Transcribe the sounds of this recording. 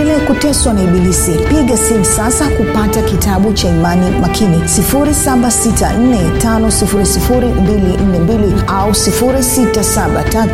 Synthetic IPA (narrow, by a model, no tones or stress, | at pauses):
ilɛkutɛswaniɓilisipiɠasimsasakupatakitʰaɓut͡ʃaimanimakʰinisifuɾisaɓasita̰n̩nɛtanɔsifuɾisifuɾimbilin̩nɛmbiliausifuɾisitasaɓa̰tatu